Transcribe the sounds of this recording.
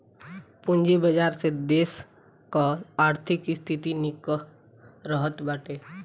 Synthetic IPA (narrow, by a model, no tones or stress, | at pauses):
pʊ̃nd͡ʒebəd͡ʒaːɾsed̪eːs | kaaːɾt̪ʰɪkɪst̪ʰɪt̪inɪk | ɾəɦət̪baːʈeː